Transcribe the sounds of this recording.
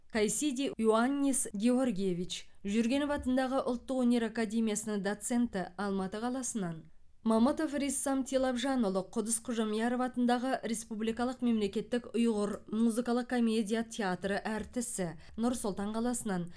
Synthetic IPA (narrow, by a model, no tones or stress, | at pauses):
kʰajsid̪ʲijuanʲːesɡʲeo̞rɡʲijevʲit͡ʃʒʏɾɡʲe̞nvɑt̪ənd̪ɑʁəʔʊ̰lˠt̪ːəqwɵnʲe̞ɾakad̪ʲe̞mʲijasənəŋd̪ot̪se̞nt̪ɪɑlˠmɑt̪əqʰɑlˠɑsənɑn | mɑmut̪o̞frisːɑmt̪ʰilˠɑpʒɑnolˠəqʰʊd̪əsqʰʊʒɑmjɑɾovɑt̪ənd̪ɑʁəɾe̞spublijkɑlˠəqme̞mle̞kʲe̞t̪ːɪkʊjʁəɾmuzɨkɑlˠəq̚kʰo̞mʲe̞dʲijat̪ʲʰeat̪rəʔæɾt̪ɪsɪ | nʊɾsʊlˠt̪ɑɴqʰɑlˠɑsənɑn